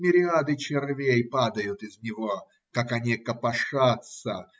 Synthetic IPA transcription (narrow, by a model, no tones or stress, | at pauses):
mʲɪɾʲɪad̪ɨt͡ɕɪrvʲejpad̪ɐjʊt̪ɨzʲnʲɪvo | kakɐnʲikɐpɐʂat̪sə